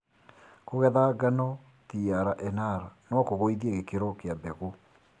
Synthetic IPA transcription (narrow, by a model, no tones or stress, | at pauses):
koɣɛðaɡanɔ | tiaɾaʔɛnaɾanɔkoɣoiðieɣekeɾɔkeabɛɣo